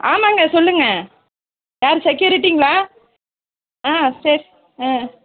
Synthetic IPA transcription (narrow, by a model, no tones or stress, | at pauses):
aːmaːŋɡɐsɔlːɯŋɡɐ | jaːɾsɛkːjuːɾɪʈːiŋɡɐɭaː | ãːsɐɾi | ãː